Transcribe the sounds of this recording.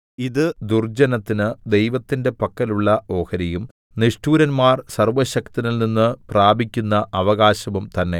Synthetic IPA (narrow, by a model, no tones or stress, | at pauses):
iðɨd̪urd͡ʑɐnɐt̪ːinɨd̪e̞jʋɐt̪ːinde̞pɐkːɐluɭːɐo̞ːhɐɾijum | niʂʈuːɾɐnmaːrsɐrʋɐɕɐkt̪inɐlninːɨpraːbʱikʲːunːɐʔɐʋɐɣaːɕɐʋumt̪ɐnːe̞̰